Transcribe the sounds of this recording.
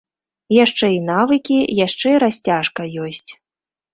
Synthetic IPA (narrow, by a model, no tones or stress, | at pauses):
jaʂt͡ʂɛinavɨkʲijaʂt͡ʂɛiɾasʲt͡sʲaʂkɐjɔsʲt͡sʲ